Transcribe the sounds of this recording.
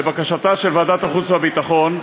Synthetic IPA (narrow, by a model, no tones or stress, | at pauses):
ebakaʃataʃelvaːd̪at̪aχut͡shabit̪aχo̞n